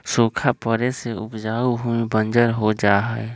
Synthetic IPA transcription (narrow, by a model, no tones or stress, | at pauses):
soːkʰapəɾeseʊpd͡ʒaːuɦuibə̃nd͡ʒəɾɦod͡ʒaːɦɛɛ